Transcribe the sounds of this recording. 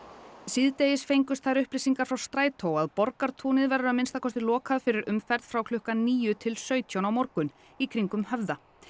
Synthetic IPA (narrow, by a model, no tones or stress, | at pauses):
siðt̪ejɪsfejŋkʏst̪θaɾʏhplɪsiŋkaɾ̥fɾawst̪ɾaːjt̪ʰowaðpɔɾkaɾ̥t̪ʰuːnɪðvɛɾʏamɪnst̪akʰɔst̪ɪlɔːkʰaðfɪɾɪɾʏmfɛɾð̥fɾawkʰlʏhkaniːjʏt̪ʰɪlsœːɥt̪ʰjawnawmɔɾkʏn | ikʰɾiŋkʏmhɛvða